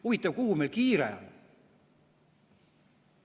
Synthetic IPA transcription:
uvit̪ːˑɑvkuhumelkiːɾḛɑ̰l

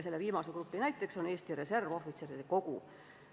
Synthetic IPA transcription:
se̞lːeviːmɑse̞krupːˑinæjt̪ːˑe̞kso̞ne̞ːst̪iɾe̞se̞rvo̞fit̪seɾid̪eko̞ɡu

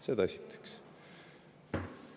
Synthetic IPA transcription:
sed̪ɑɑsʲit̪ːˑe̥ks

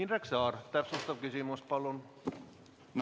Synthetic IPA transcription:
inræksɑːrt̪æpsust̪ɑʋkysymuspɑlːon | n

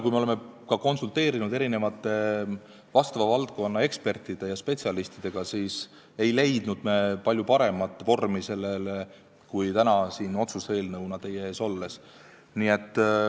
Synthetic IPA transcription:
kujmeoleme | kɑko̞nsult̪e̞ːɾinud̪e̞ɾine̞vɑt̪ːˑe̞ | vɑst̪ɑvɑvɑlt̪̚ko̞nːɑe̞kspe̞rt̪ːˑid̪̥e̞jɑspe̞t̪siɑlist̪id̪̥e̞ɡ̥ɑsiːs | e̞jle̞jd̪̥nud̪̥mepɑlʲjupɑɾe̞mɑt̪ːˑvo̞rmise̞lːele | kujt̪ænɑsiːno̞t̪suse̞ːlnɤwnɑt̪e̞jːeeːso̞lːe̞s | niːe̞t̪ˑː

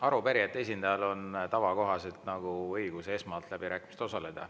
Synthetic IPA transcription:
ɑɾupæɾiet̪ːˑe̞s̬ʲind̪ɑjɑlo̞nt̪ɑvɑko̞ɦɑse̞lt̪nɑɡ̥uɤjɡ̥useesmɑːlt̪læb̥iɾæːkːˑimist̪osɑle̞d̪̥ɑ̰

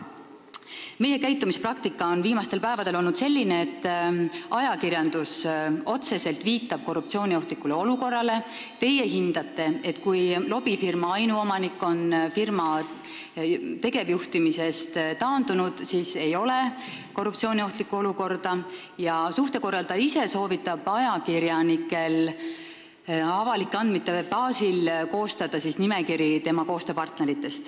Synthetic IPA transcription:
me̞je̞kæjt̪ːˑumisprɑkt̪ikːˑɑo̞nviːmɑst̪e̞lpæevɑd̪̥e̞lo̞lnud̪̥se̞lʲːineːt̪ːɑjɑkirjɑnd̪uso̞t̪se̞se̞lt̪viːt̪ːˑɑb̥̚ko̞rːup̚t̪sio̞ːnʲio̞ht̪likːˑuleo̞luko̞rːɑle̞ | t̪e̞je̞ɦind̪̥ɑt̪ːe̞e̞t̪ːkujlo̞b̥ifirmɑɑjnuo̞mɑnikːo̞nfirmɑ | t̪e̞ɡ̥e̞vjuht̪imise̞st̪t̪ɑːnd̪unud̪̥siːse̞jo̞le̞ko̞rːupt̪sio̞ːnio̞ht̪likːˑuo̞luko̞rd̪̥ɑ | jɑsuht̪e̞ko̞rːɑlt̪ɑise̞so̞ːvit̪ːˑɑb̥ɑjɑkiɾjɑnikːˑe̞l | ɑvɑlikːˑɑnd̪̥mit̪ːˑepɑːsilko̞ːst̪ɑd̪̥ɑsisnimekiɾjit̪e̞mɑko̞ːst̪øpɑrt̪ne̞ɾit̪ːˑe̞st̪

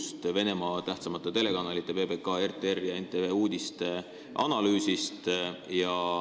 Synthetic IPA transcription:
st̪ve̞ne̞mɑt̪æht̪sɑmɑt̪ːˑet̪e̞le̞kɑnɑlit̪ːˑe̞ve̞ːbe̞kɑe̞rt̪ˑeerjɑent̪ːˑeeuːd̪̥ist̪e | ʔɑ̰nɑlyːsist̪jɑ

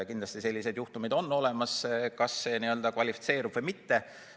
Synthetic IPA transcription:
kind̪lɑst̪ise̞lʲːise̞d̪juht̪umid̪o̞nːo̞le̞mɑskɑsːe̞niø̞ld̪ɑkvɑlʲifi̥t̪se̞ːɾub̥vɤjmit̪ːe̞

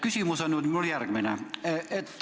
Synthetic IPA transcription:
kysiˑmusɑnːut̪minolijærkmenæet̪ː

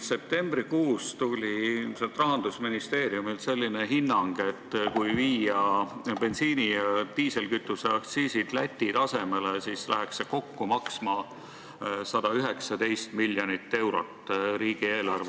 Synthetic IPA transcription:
se̞p̚t̪e̞mb̥ɾikuːst̪ulʲiset̪rɑɦɑnd̪usminist̪e̞ːrijumilse̞lʲːineɦinːɑŋɡ̥e̞t̪ːˑkujviːjɑb̥e̞nsiːnit̪iːse̞lkyt̪ːˑuseɑkt̪siːsid̪̥læt̪ʲːid̪̥ɑse̞me̞lesiːslæ̰ɦekse̞ko̞kːumɑksmɑ | sɑd̪̥ɑyɦe̞ksɑd̪e̞jst̪milʲjonit̪ːe̞wɾot̪ːˑɾiːɡ̥ieːlɑrve

